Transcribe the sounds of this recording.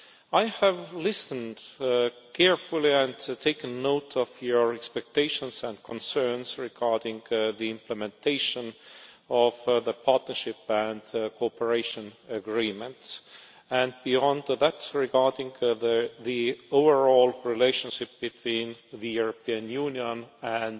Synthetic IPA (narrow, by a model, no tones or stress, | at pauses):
aɪhævlɪsə̃nd̥kʰɛɹfuliæ̃ndtʰeɪkə̃nːoʊtʰɔvjɔɹɛkspɛk̚tʰeɪʃə̃nsæ̃ndkʰɔ̃nsɜ˞nsɹiɡɑɹdɪ̃ŋɡðiɪ̃mpʰləmɛ̃ntʰeɪʃə̃n | ɔvðəpʰɑɹtnə˞ʃɪpæ̃nd̪kʰopəɹeɪʃə̃nəɡɹĩmə̃nts | æ̃nd̚biɔ̃nd̪ðætɹɪɡɑɹdɪ̃ŋððioʊvə˞ɔlɹileɪʃə̃nʃɪp̚b̥ɪt̪ʰwĩːnðɨjuɹopiə̃njuːniə̃næ̃n